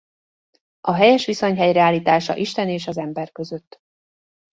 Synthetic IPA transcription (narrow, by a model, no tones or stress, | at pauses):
ʔɒɦɛjɛʃʋiso̞ɲɦɛjrɛaːliːt̪aːʃɒ̰ʔiʃt̪ɛneːʃɒzɛmbɛrkø̞zø̞t̪ː